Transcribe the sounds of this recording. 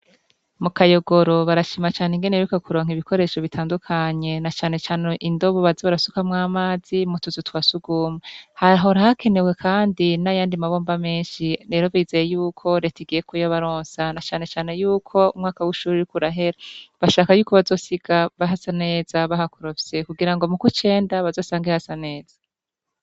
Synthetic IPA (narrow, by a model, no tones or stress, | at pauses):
mukajo̞ɡoɾo̞βaɾaʃimat͡ʃaːniŋɡeneɾukakuɾo̞ːŋ̥iβiko̞ɾe̞ʃo̞βitʰaːndukʰaɲe̞nat͡ʃaːne̞t͡ʃaːneʔindo̞βoβaziβaɾasukamŋaːmaːzimutuzutwasuɡuːmehaɾɦoɾahakʰe̞newe̞kʰaːndinajaːndimaβo̞ːmbame̞ːnʃiɾe̞ːɾo̞βiːzejejuːkʰo̞ɾetiɡijekujaβaɾoːnsanat͡ʃaːne̞t͡ʃaːne̞juːkʰo̞umŋaːkawiʃuːɾiɾikuɾaɦe̞ɾaβaʃaːkajuːko̞βazo̞ːsiɡ̥aβaɦasane̞ːzaβahakuɾofsekuɡiɾaŋɡo̞mukut͡ʃe̞ːndaβazo̞ːsaːŋɡihasane̞ːz̥ḁ